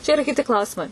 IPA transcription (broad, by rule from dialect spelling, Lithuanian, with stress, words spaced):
t͡ʃʲɛ ɪˈrɐ kʲɪˈtʲɪ ˈklˠɐʊsʲɪmɐɪ